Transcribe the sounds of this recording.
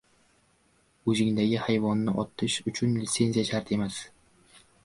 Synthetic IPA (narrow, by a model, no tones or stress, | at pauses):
ʊzɪŋd̪aɡʲɪhajvɒnːɪʔɒt̪ʰɪʃʊt͡ʃʰʊnlit̪se̞nzʲijaʃaɾt̪ʰe̞mas